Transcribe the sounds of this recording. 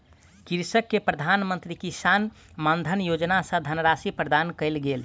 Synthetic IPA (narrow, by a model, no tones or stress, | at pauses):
kiɾsəkːepɾəd̪ʱanmənt̪ɾikisan | mand̪ʱənjod͡ʒnasə̃d̪ʱənɾasipɾəd̪ankəɪlɡel